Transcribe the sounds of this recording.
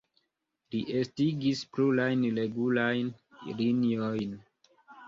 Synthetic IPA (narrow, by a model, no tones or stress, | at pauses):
liʔestiɡisplulajnleɡulajnliniojn